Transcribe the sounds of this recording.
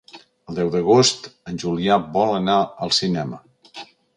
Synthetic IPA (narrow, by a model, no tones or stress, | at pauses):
əlˠd̪ɛwðəɣ̞ost̪ənʲʒuliabɔlənaəlˠsinɛmə